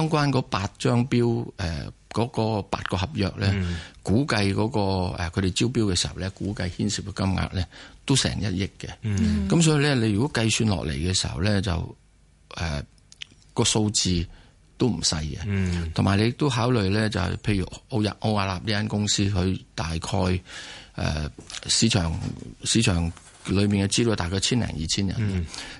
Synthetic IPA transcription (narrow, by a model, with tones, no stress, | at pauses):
t̪ɔː˥ŋkʷwaː˥nkɔː˨˥paː˧t̚t͡ʃœː˥ŋpiː˥wɛ̰ː˨˩kɔː˨˥kɔː˧pa̰ː˧t̚kɔː˧ɦɐ˨p̚jœː˨k̚lɛː˥kuː˨˥kɐ˧jkɔː˨˥kɔː˧ɛ˨kʰɵ˨˧ɥɾe˨jt͡siː˥wpi˥wkɛː˧siː˨˩hɐ˨˩wlɛ˥kuː˨˥kɐ˧jhiː˥nsi˨p̚kɛ˧kɐ˥mŋa̰ː˧k̚lɛː˦˥t̪o˥wsɛ̰ː˨˩ŋjɐ˦˥t̚jɪ˥kːɛ˧kɐ˨˥msɔː˨˦˥ji˧lɛː˥le˧jy˨kɔː˨˥kɐ˧jsyː˧nlɔ̰ː˨k̚lḛ˨˩jkɛː˧si˨˩hɐ̰˨˩wlɛː˥t͡sɐ̰˨w | ɛ̰ː˨˩ | kɔː˧so˧wt͡siː˧ | t̪o˥wm̩˨˩sɐ˧jkɛ̰˧t̪ʰʊ˨˩maː˨˩jle˨˧jt̪o˥wɦaː˨˥wlɵ˨ɥlɛ˥t͡sɐ̰˨wpʰe˧jyː˨˩o˨˧jɐ̰˨˩p̚ʔo˧aː˧laː˨p̚niː˥a˥nkʊ˥ŋsiː˥hɵ˧ɥt̪aː˨jkʰɔː˧jɛ̰ː˨˩siː˨˧˥t͡ʃʰœː˨˩ŋsiː˨˥t͡ʃʰœː˨˩ŋ | lɵ˨˧ɥmiː˨nkɛ˧t͡si˥˩o˥˧jt̪aː˨jkʰɔː˧t͡sʰiː˥nlɛ̰ː˨˩ŋjiː˨t͡sʰiː˥njɐ̰˨˩nna˧